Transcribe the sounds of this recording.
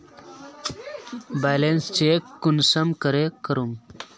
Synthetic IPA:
balenst͡ɕekːunsəmkəɾekəɾum

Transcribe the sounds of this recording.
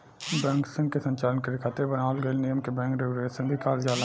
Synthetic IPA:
bɛ̃ːŋksɪ̃ŋɡ̚kesə̃ɲt͡ʃaːlənkeɾɪkʰat̪ebɐnaːəlɡɐenɪjəmkebɛ̃ːŋkɾeɡɾeːsə̃ŋb̪ʱikaːɾjaːla

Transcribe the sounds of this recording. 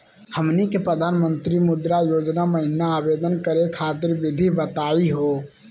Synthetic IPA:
həmnikepɾəd̪ʱanmənt̪ɾimud̪ɾajod͡ʒnaməɦinaːbed̪ənkəɾekʰat̪iɾbid̪ʱibət̪aiɦo

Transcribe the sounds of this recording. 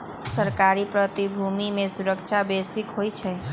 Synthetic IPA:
səɾkaɾipɾət̪ibʱumimesuɾəkt͡ʃʰabesikɦojt͡ʃʰɛ

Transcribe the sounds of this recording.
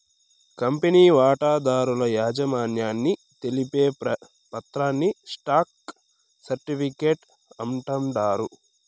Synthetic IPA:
kɐmpeniːʋaːʈaːd̪aːɾulɐjaːd͡ʒɐmaːnjaːnːi | t̪e̞lipeː | pɐt̪ɾaːnːisʈaːk̚ | sɐɾʈipʰikeːʈ | ɐmʈɐmɖaːɾu

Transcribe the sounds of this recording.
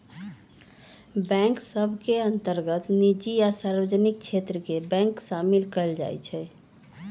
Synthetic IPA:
bɛ̃ŋksəbʱkeənt̪əɾɡət̪nid͡ʒijasaɾʋəd͡ʒnik̚t͡ʃʰet̪ɾəkebɛ̃ŋksamilkəld͡ʒa̰jt͡ʃʰɛ

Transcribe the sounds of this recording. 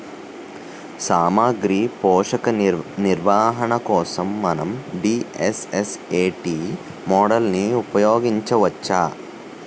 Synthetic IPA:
saːmaːɡɾiːpɔːʂɐkɐniɾʋaːɦɐɳɐkɔːsɐmːɐnɐmɖiːeseseːʈiː | mɔːɽɐlniupɐjoːɡiɲt͡ʃɐʋɐt͡ʃːaː

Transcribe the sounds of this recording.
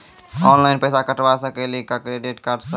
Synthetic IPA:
ɔːnlaɪnpəsakəʈʋasə̃kelikəkɾeɖeʈkaːɾɖsə

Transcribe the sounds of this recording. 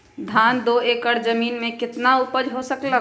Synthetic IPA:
d̪ʱaːnd̪oeːkəɽd͡ʒəmiːnmẽkɪt̪naupəd͡ʒɦosəklə

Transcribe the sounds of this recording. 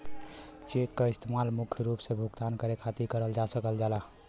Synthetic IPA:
t͡ʃekkəist̪ʰemalmukʰjɾupsebʱuɡt̪ankəɾekʰat̪ikəɾəld͡ʒasəkəld͡ʒala

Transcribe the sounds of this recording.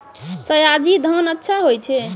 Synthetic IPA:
səjad͡ʒid̪ʱənətːʃʰaɦojt͡ʃʰɛ

